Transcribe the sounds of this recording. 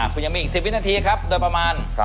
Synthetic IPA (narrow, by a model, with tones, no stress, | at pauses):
ʔa˧˩kʰu˧˩ja˧miː˧ʔːk̚si˨˩w̪̚naː˧t̪ʰiː˧kʰɾa˦˥p̚doː˧pɾa˧maː˧n